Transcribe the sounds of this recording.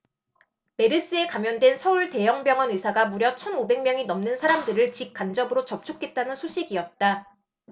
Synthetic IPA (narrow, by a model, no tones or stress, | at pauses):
me̞ɾɯs͈ɯe̞kamjʌndwe̞nsʰʌuɭte̞jʌŋbjʌŋʌnisʰaɡamuɾjʌt͡ɕʰʌnobe̞ŋmjʌŋinʌmnɯnsʰaɾamdɯɾɯɭt͡ɕip̚k͈and͡ʑʌbɯɾot͡ɕʌp̚t͡ɕʰok͈e̞t̚t͈anɯnsʰoɕʰiɡiʌt̚t͈a